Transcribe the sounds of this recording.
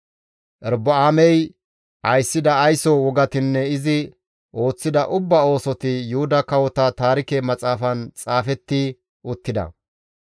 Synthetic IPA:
ʔɛɾbɐaːmɛj | ʔɐjsːɪd̪ɐːjsɔwɔɡɐt̪ɪnːɛɪzɪ | ʔo̞ːt͡sːɪd̪ɐʔʊbːɐo̞ːsɔt̪ɪjʊhʊd̪ɐkɐwɔt̪ɐt̪aːɾɪkɛmɐt͡sʼaːfɐnt͡sʼaːfɛt̪ːɪ | ʊt̪ːɪd̪ɐ̰

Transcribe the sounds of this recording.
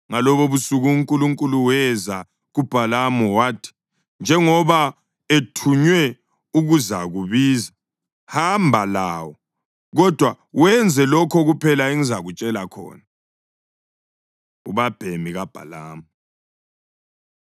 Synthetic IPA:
ŋalɔβoβusuɣuŋkʼuluŋkʼuluwɛza | ɣub̥ʱalamɔwaːtʰi̥ | nd͡ʒʱɛŋɔβa | etʰuɲwɛ | uɣuza̰ɣuβiːza | hambʱalaːwɔ | ɣɔd̥ʱwa | wɛnd͡zʱɛlɔkʰɔɣupʰɛlaeŋizaɣut͡ʃʼɛlakʰɔ̰ːna | ṵβab̥ʱemiɣab̥ʱa̰la̰ːmɔ

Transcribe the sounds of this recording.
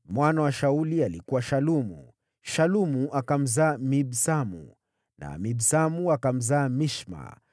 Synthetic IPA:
mwanawaʃaulialikuwaʃalumṵ | ʃalumuʔakam̩zaːmibsamṵ | na̰mibsamuakam̩zaːmiʃma̰

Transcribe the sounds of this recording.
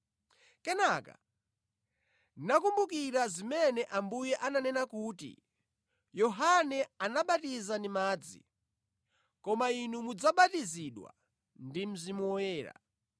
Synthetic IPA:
kɛnaka̰ | nakumbuk̬iɾazimɛnɛʔambujɛʔananɛnakuːtḭ | jɔɦanɛanaɓatizandimaːd͡zḭ | kɔmainumud͡zaɓatiziɗwa̰ | ndim̩zimuɔjɛːɾa̰

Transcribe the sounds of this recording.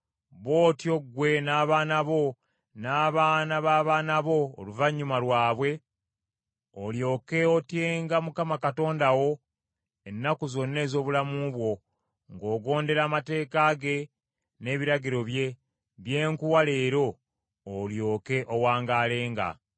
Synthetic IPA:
βo̞ːtio̞ɡwe̞naːβaːnaβo̞ | naːβaːnaβaːβaːnaβo̞̰ːluvaɲːumalwaːβwe̞ | oljo̞ːke̞otjeːŋɡamukamakato̞ːndawo̞ | e̞nːakuzo̞nːe̞ːzo̞ːβulamuβwo̞ | ŋɡo̞ːɡo̞ːnde̞ɾaːmate̞ːkaːɡe̞ | ne̞ːβiɾaɡiɾo̞βje̞ | βje̞ːŋkuwale̞ːɾo̞ː | ljo̞ːke̞ʔowaːŋɡaːle̞ːŋɡa̰

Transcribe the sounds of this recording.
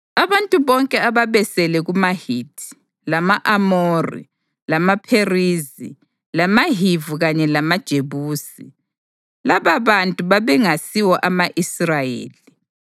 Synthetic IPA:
aβantʼuβɔŋkʼɛaβaβɛsɛlɛɣumahitʰi̥ | lamaʔamorḭ | lamapʰerizi | lamaɦivuɣaɲɛlamad̥ʒ̥ʱeβuːsi | laβaβantʼuβaβɛŋasiwɔʔamaʔisrajḛːli

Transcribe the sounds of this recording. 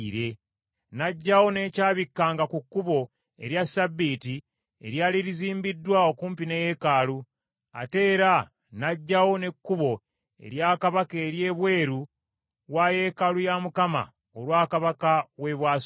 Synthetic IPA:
ɾe̞ | naɟːawo̞ne̞ːcaːβikːaːŋɡakukːuβo̞ | e̞ɾjasabːiːti | ḛɾjaːliɾiziːmbidːwao̞kuːmpineje̞kaːlu | a̰te̞ːɾa | naɟːawo̞ne̞kːuβo̞ | e̞̰ɾjaːkaβakeːɾje̞ːβwe̞ːɾu | waje̞kalujamukama̰ | olwaːkaβakawe̞βwaːs

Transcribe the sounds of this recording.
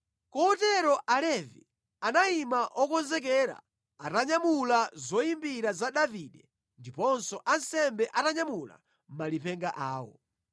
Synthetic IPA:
kɔɔtɛɾɔʔalɛvi | anaimaʔɔkɔnzɛk̬ɛɾa̰ | ataɲamulazɔimbiɾazaɗaviɗɛ | ndipɔnsɔʔansɛmbɛʔataɲamula̰ | m̩malipʰɛŋɡaʔaːwɔ̰

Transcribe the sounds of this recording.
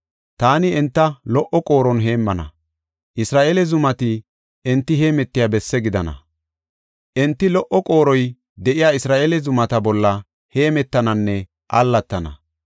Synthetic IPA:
t̪aːnɪɛnt̪ːɐlɔʔɔkʼo̞ːɾɔnɦe̞ːmːɐnɐ̰ | ʔɪsɾaːʔelɛzʊmɐt̪ɪ | ɛnt̪ːɪɦeːmɛt̪ːɪjaːbɛsːɛɡɪd̪ɐnɐ̰ | ʔɛnt̪ːɪlɔʔɔkʼo̞ːɾɔj | d̪ɛʔɪjaːɪsɾaːʔelɛzʊmɐt̪ɐbɔlːɐ | he̞ːmɛt̪ːɐnɐnːɛ | ʔɐ̰lːɐt̪ːɐnɐ̰

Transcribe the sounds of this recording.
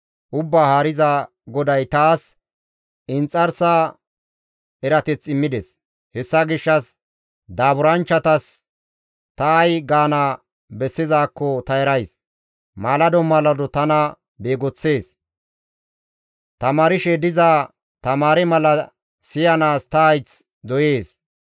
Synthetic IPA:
ʔʊbːaːhaɾɪza | ɡɔd̪ɐjt̪aːs | ɪnt͡sʼːɐɾsaː | ɛɾɐt̪ɛt͡sːɪmːɪd̪ɛs | hɛsːɐɡɪʃːɐs | d̪aːbʊɾɐnt͡ʃːɐt̪ɐs | t̪ɐːjɡaːnaː | bɛsːɪzaːkːɔt̪ɐɛɾɐjs | maːlɐd̪ɔmːɐlɐd̪ɔt̪ɐnɐ | be̞ːɡɔt͡sːe̞ːs | t̪ɐmaːɾɪʃɛd̪ɪzaː | t̪ɐmaːɾɛmɐlɐ | sɪjɐnaːst̪ɐːjt͡s | d̪ɔje̞ːs

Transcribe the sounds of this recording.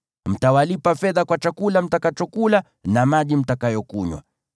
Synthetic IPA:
m̩tawalipafɛðakwat͡ʃakulam̩takat͡ʃɔkula | namaʄim̩takajɔkuɲwa̰

